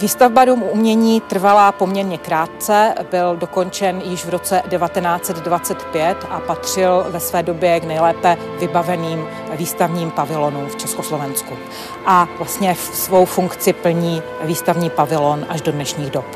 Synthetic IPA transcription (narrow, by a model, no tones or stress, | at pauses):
viːst̪avbadumumɲɛɲiːt̪r̩valaːpo̞mɲɛɾɲɛkɾaːt̪̚t͡sɛbɪldo̞ko̞nt͡ʃɛnjɪʃvɾo̞t͡sɛdɛvat̪ɛnaːt͡sɛd̪dvat͡sɛt̪pjɛt̪ʔapat̪r̝̥ɪlvɛsvɛːdo̞bjɛɡnɛjlɛːpɛ | vɪbavɛniːm | viːst̪avɲiːmpavɪlonumft͡ʃɛskoslo̞vɛnsku | ʔavlast̪ɲɛfsvo̞wfuŋkt͡sɪpl̩ɲiː | viːst̪avɲiːpavɪlonʔaʒdo̞dnɛʃɲiːɣdop